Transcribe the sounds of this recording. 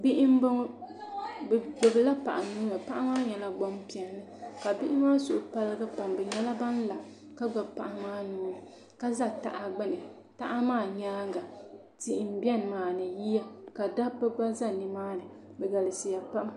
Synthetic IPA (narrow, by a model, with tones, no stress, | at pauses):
bɪ˦ʔɪ˦mba˦ŋ˦ | bɡ͡bʊ˨bɨ˨la˦pa˨ʔa˨mnuː˦nɨ˨pa˦ʔa˦maː˦ɲɛ˨la˦ɡ͡bɔ˦mpi˨ɛ˨nːɨ˦ka˨bɪ˦ʔɪ˦maː˦sʊ˨ʔʊ˨pa˦lɨ˦ɡa˦pa˨mbɛ˨ɲɛ˦la˦ba˦n˦la˨ | ka˦ɡ͡ba˨bpa˨ʔa˨maː˦nuː˦nɨ˨ | ka˦za˦ta̰˨ʔa˨ɡ͡bɨ˦nɨ˨ | ta˦ʔa˦maː˦˨ɲaː˦ŋɡa˨ | ti˨ʔɪ˨m̩˨˦bi˦ɛ˦n˨maː˨nɨ˨ji˦ja˦ka˨da˦bɛ˦ɡ͡ba˦za˦ni˨maː˦nɨ˨ | bɛ˨ɡa˨lɨ˨si˨ja˨pa˦ʔa˦